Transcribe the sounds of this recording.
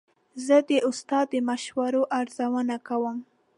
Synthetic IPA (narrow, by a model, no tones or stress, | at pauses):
zəd̪əʔʊst̪ɑd̪̚ːəmaʃwaɾoʔaɾzawənakawəm